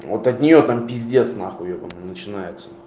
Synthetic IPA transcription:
vot̪ɐt̪ʲnʲɪjo̞t̪ampʲɪzʲdʲesnaxʊjokəmnət͡ɕɪnajɪt̪sə̥

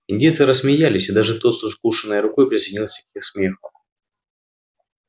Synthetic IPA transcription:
ɪnʲdʲejt̪sɨɾəssmʲɪjalʲɪsʲɪd̪aʐɨt̪ot̪soskuʂɨnːɨjəɾʊkojpɾʲɪsʲɪnʲilˠsʲɐkʲixsmʲexəm

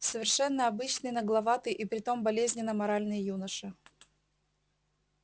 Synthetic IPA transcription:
səvʲɪrʂɛnːəɐbɨt͡ɕnɨjnəɡlˠɐvat̪ɨʔipɾʲɪt̪o̞mbɐlʲezʲnʲɪnːəmɐɾalʲnɨjəjunəʂɨ

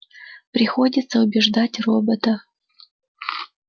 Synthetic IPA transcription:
pɾʲɪxodʲɪt̪səʊbʲɪʐd̪atʲrobət̪ə

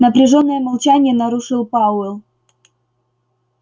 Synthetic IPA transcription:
nəpɾʲɪʐo̞nːəjəmalˠt͡ɕanʲɪjənɐɾuʂɨlˠpaʊɛlˠ

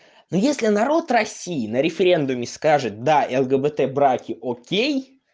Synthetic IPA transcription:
nojesʲlʲɪnɐɾo̞t̪rɐsʲːijɪnəɾʲɪfʲɪɾʲe̞nd̪ʊmʲɪskaʐɨt̪̚d̪aʔɛlˠɡəbət̪ɛbɾakʲɪʔokʲej

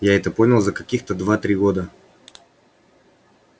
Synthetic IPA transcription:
jaɛt̪ɛpɔnʲɐlˠzɐkɐkʲixt̪əd̪vat̪ɾiɡɔd̪ə

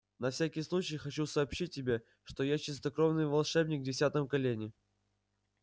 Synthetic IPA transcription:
nɐfsʲækʲɪjslˠut͡ɕɪjxɐt͡ɕusɐːpɕit̚ʲːɪbʲe̞ | ʂt̪o̞jat͡ɕɪs̬t̪ɐkɾovnɨjvɐlˠʂɛbnʲɪkvdʲɪsʲat̪əmkɐlʲenʲɪ

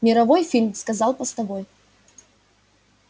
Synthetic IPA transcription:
mʲɪɾɐvojfʲilʲmskɐzɑlˠpɐst̪ɐvoj

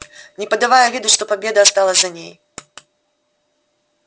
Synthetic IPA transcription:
nʲɪpəd̪avajʊvʲid̪ʊʂt̪ɔpabʲed̪ɐɐst̪alˠɐzʲzɐnʲej

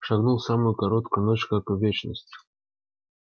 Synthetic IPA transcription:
ʂɐɡnulˠsamʊjʊkɐɾo̞t̪kʊjʊnot͡ɕkakɨvʲet͡ɕnəsʲtʲɪ

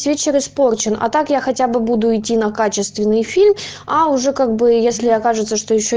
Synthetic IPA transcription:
sʲvʲet͡ɕɪɾɨspo̞rt͡ɕɪnɐ̰t̪akjaxɐtʲabɨbud̪ʊɪtʲːinɐkat͡ɕɪst̪vʲɪnːɨjfʲilʲm | ɐʊʐɛkaɡ̚bɨjesʲlʲɪɐkaʐɨt̪səʂt̪o̞jɪɕːo

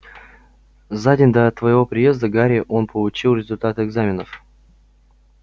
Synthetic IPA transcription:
zadʲɪnʲd̪ət̪vəjɪvo̞pɾʲɪje̞zd̪əɡaɾʲɪəʔo̞npʰəlˠʊt͡ɕilˠɾʲɪzʊlʲt̪at̪ɨɪɡzamʲɪnəf

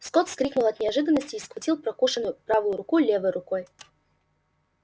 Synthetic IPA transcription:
skot̪skɾʲiknʊlˠɐt̪nʲɪɐʐɨd̪ənːəsʲtʲɪːskvʊtʲilˠpɾɐkuʂɨnːʊjʊpɾavʊjʊɾʊkulʲevəjɾʊkoj

